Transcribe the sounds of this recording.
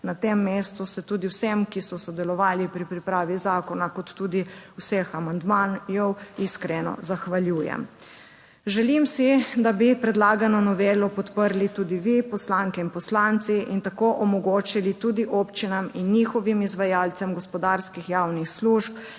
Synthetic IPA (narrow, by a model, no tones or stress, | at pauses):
nat̪emːeːst̪usɛt̪ud̪iwsemkisɔsɔd̪ɛlɔʋaːlipɾipɾipɾaːʋizaːkɔnakɔt̪ːuːd̪iwsexamand̪manjɔwiskɾɛnɔ̰zaxʋalʲjuːjɛ̰m | ʒɛlimsid̪abipɾɛd̪laːɡanɔnɔʋeːlɔpɔt̪pəɾlit̪uːd̪iʋipɔslaŋkɛinpɔslant̪siint̪akoːʔɔmɔɡoːt͡ʃilit̪ud̪iʔoːpt͡ʃinaminːixɔʋimizʋajaːlt̪sɛmɡɔspɔd̪aːɾskixjaːwnixsluːʃp